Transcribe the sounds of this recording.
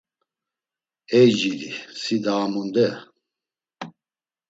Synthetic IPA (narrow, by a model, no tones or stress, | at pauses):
ɛd͡ʒilḭsid̪aːmund̪ɛ